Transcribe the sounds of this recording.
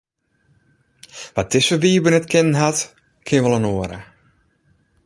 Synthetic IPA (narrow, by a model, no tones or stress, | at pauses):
ʋat̚ɪsfəbiːəbənətkʰɪnənɦat | kʰɪənʋəlˠənoəɾə̰